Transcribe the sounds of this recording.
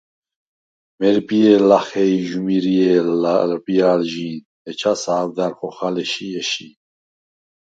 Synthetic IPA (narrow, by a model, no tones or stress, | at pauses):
mɛɾpʼiɛlaχɛiʒumiɾiɛllpʼiaːlʒiːn | ɛt͡ʃʰasaːvd̪aɾχɔχalɛʃiɛʃi